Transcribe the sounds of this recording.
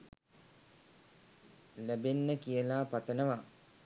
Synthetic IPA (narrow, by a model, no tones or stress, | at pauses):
læbenːəkijəlaːpat̪ənəʋa